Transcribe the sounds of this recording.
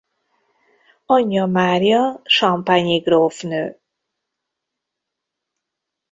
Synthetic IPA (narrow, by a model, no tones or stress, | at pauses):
ɒɲːɒmaːrijɒʃɒmpaɲiɡroːfnøː